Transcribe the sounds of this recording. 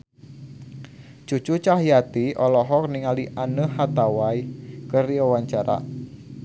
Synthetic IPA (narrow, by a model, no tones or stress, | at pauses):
t͡ʃut͡ʃut͡ʃaɦjat̪iʔɔlɔɦɔk̚niŋaliʔanəhat̪awajkəriawaɲt͡ʃaɾa̰